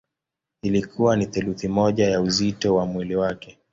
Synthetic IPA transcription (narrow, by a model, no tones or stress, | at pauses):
ilikʰuwaniθuluθimɔʄajauzitɔwamwiliwakɛ